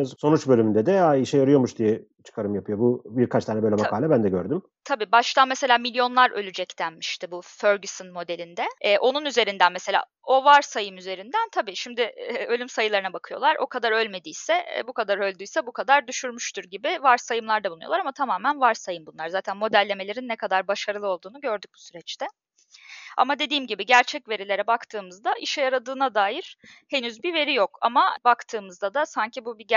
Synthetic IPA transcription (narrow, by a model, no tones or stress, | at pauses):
azso̞nut͡ʃbølʲymynd̪ɛd̪ɛaiʃɛjaɾɯjo̞muʃd̪ijɛ | t͡ʃʰɯ̥kʰaɾɯmjapʰɯjo̞bubiɾkʰat͡ʃt̪aːnɛbølʲɛmakaːlʲɛbænd̪ɛɟøɾd̪ym | t̪ʰabiːbaʃt̪ʰanmese̞lʲaːmilʲjo̞nlˠaɾʔølʲyd͡ʒɛct̪ʰænmiʃt̪ʰɪbuføɾɡysɯnmo̞d̪e̞lʲind̪ɛɛːʔo̞nunyze̞ɾind̪ænmese̞lʲa̰ː | o̞vaɾsajɯmyze̞ɾind̪ænt̪ʰabiːʃimd̪ɪølʲymsajɯlˠaɾɯnabakʰɯjo̞̰lˠaɾo̞̰kʰad̪aɾø̞lʲme̞d̪ijsɛ̰bukad̪aɾø̞lʲd̪yjsɛbukʰad̪aɾd̪yʃyɾmyʃt̪ʰuɾɟibɪvaɾsajɯmlˠaɾd̪abuujolˠaɾamat̪ʰamaːmænvaɾsajɯmbunˠaɾzaːt̪ʰænmo̞d̪ælʲːe̞me̞lʲe̞ɾinːɛkʰad̪aɾbaʃaɾɯlˠɯo̞lˠd̪uːnuɟø̞ɾd̪yc̚bu̥syɾɛt͡ʃt̪ʰɛ | a̰mad̪e̞d̪iːmɟibiɟæɾt͡ʃʰɛcve̞ɾilʲe̞ɾɛbakt̪ʰɯːmɯzd̪aʔiʃɛjaɾad̪ɯːnad̪aːjiɾ̥he̞nyzbive̞ɾijo̞ka̰mabakt̪ʰɯːmɯzd̪ad̪asaɲcʰibubi